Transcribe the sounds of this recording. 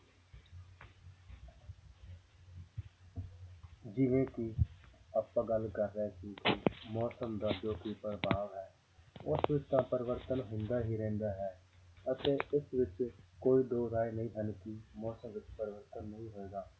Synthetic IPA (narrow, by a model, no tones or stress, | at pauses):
d͡ʒɪʋẽːkiəpːãːɡəlkəɾːɛːsiːkiːmɔːsəmd̪aːd͡ʒoːkiːpəɾbaːʋɦɛː | ʊsʋɪt͡ʃt̪ãːpəɾɪʋəɾt̪ənɦʊ̃nd̪aːɦiːɾɛ̃ːnd̪aːɦɛː | ət̪eːʔɪsʋɪt͡ʃkoːiːd̪oːɾaːenəĩːɦənkiːmɔːsəmʋɪt͡ʃpəɾɪʋəɾt̪ənːəɦĩːɦoeːɡaː